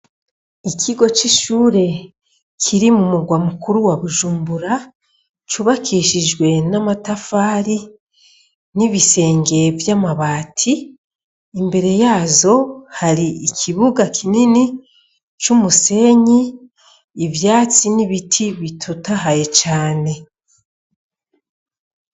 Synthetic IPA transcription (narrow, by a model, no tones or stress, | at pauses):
ikʰiɡo̞t͡ʃiʃuːɾe̞ | kʰiɾimumuɡwamukuɾuwaβuʒuːmbuɾa | t͡ʃuβakʰiːʃiʒɡwe̞namatafaːɾi | niβise̞ːŋɡe̞vjamaβaːtʰiː | mbe̞ɾe̞jaːzo̞haɾiikʰiβuɡakʰinini | t͡ʃumuse̞ɲiː | vjaːt͡siniβitʰiβitʰutaɦaje̞t͡ʃaːne̞